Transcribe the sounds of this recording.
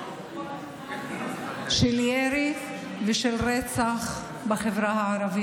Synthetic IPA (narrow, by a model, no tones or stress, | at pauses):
ʃeljeɾi | vɛʃelʁet͡saχ | baχevɾahaʕaɾavi